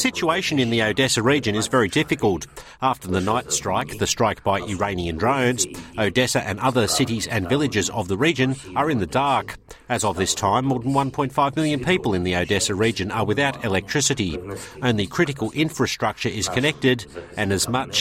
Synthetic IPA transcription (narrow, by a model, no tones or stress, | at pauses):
sɪt͡ʃueɪʃɨ̃nɨ̃nðioʊdɛsɨɹid͡ʒɨ̃nɨzvɛɹidɪfɨkəl̩ˠt | æftə˞ðɨnaɪtstɹ̥aɪk̚ðɨstɹ̥aɪk̚b̥aɪʔɨɹẽɪ̃niɨ̃ndɹõʊ̃nzoʊdɛsɨʔɨ̃nʌðə˞sɪɾizɨ̃nvɪlˠɨd͡ʒɨzʌ̰vðəɹid͡ʒɨ̃n | ə˞ɨ̃nðɨdɑɹk | ɨzəvðɪstʰãɪ̃mːɔɹðə̃n̩wʌ̃npʰɔ̃ɪ̃tfaɪvmɪlˠjɨ̃npʰipl̩ˠɨ̃nðioʊdɛsɨɹid͡ʒɨ̃nə˞wɨθaʊɾɨlɛk̚tʰɹ̥ɪsɨɾiõʊ̃nlikʰɹ̥ɪɾɨkəl̩ˠʔɪ̃ɱfɹɨstɹ̥ʌk̚t͡ʃə˞ʔɪz̥kʰɨnɛk̚tɪɾɨ̃nɨzmʌt͡ʃ